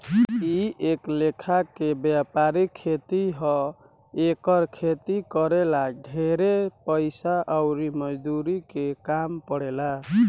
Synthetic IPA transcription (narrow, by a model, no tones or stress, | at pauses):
ieklekʰakebjapaɾikʰːet̪iɦɔ | ekəɾkʰet̪ikʌɾelaɖʱeɾepəɪsaʔəwɾimʌd͡ʒd̪uɾikekampəɽela